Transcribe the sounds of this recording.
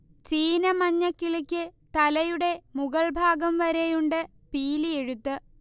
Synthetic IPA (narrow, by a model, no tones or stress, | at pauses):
t͡ɕiːnɐmɐɲːɐkːiɭikʲːɨt̪ɐlɐjuɽe̞muɣɐɭbʱaːɡɐmʋɐɾejuɳɖɨ | piːlie̞ɻut̪ːɨ